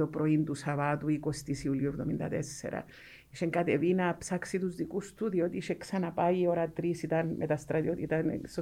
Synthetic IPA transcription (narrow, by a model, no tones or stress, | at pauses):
opɾoind̪usaβat̪uikost̪isiuljuɾd̪omind̪a̰d̪esːḛɾa̰ | iʃeŋkat̪eβinapsaksid̪uzd̪ikust̪uðjot̪iʃeksanapajoɾat̪ɾisit̪anmʔḛt̪ast̪ɾad̪jot̪it̪an̰so